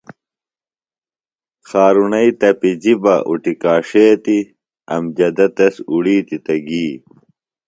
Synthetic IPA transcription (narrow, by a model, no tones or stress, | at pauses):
xaːɾunɐit̪ɐpid͡ʑibɐʔṵʈikaːʂeːt̪i | ɐmd͡ʑɐd̪ɐt̪ɐsuɽiːt̪it̪ɐɡiː